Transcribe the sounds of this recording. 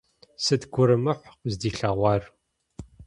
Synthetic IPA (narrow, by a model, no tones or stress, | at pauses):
sɨdɡʷʊɾɨmɨħʷqzdiːɬaːʁʷɑːr